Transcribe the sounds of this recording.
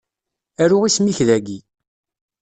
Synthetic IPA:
æɾʊʁismiçðæɡi

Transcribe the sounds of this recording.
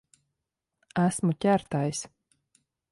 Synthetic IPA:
æsmutʲæɾt̪ajs

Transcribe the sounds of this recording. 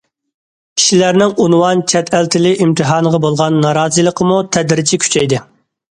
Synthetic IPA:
kʲʰi̥ʃilæɾnɪŋunwɑnt͡ʃʰɛt̪ʰælt̪ʰɪlɪʔimt̪ʰɨɦɑːnəʁɑbolˠʁɑnːɑɾɑːzɨlˠəqʰəmut̪ʰɛd̪ɾɪt͡ʃʰikʲʰy̥t͡ʃʰɛjd̪ɪ

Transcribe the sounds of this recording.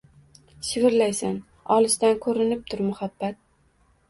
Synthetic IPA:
ʃɪvɪɾlajsan | ɒlˠɪʃt̪ankʰɵɾɪnɪp̚t̪ʰʊɾmʊhabːat̪̚

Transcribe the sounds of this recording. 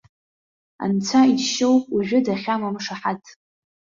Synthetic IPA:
a̰nt͡sʷʰaidʰʃowpʼuʒᶣʊdaχʲamamʂaħatʼʰ

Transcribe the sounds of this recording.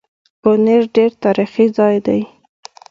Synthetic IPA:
koneɾɖeɾt̪ɑɾixizɑjd̪aj

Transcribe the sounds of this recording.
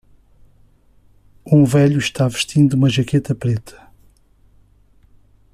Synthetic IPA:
ũvɛʎuʃt̪avɨʃt̪ʰĩnd̪uumɐʒɐket̪ɐpɾet̪ʰɐ̥

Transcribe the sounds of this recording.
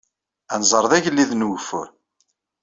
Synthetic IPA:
ænzˤəɾˤðæʝlːiðnuwfṵ

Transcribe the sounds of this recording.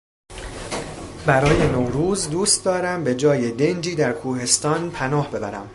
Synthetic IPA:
bæɾɒːje̞nowɾuːzd̪uːst̪̚d̪ɒːɾæmbe̞d͡ʒɒːjed̪e̞nd͡ʒiːd̪æɾkʰuːhe̞st̪ɒːnpʰænɒːhbe̞bæ̰ɾæm

